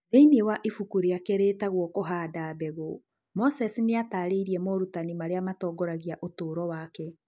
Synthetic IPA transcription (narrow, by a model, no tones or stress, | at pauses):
ðeinewaʔifukuɾiakeɾeːtaɣwɔkoɦadaːbɛɣo | mɔsɛsineataːɾeiɾiɛmɔɾutanimaɾeamatɔːɡɔɾaɣiaʔotoːɾɔwakɛ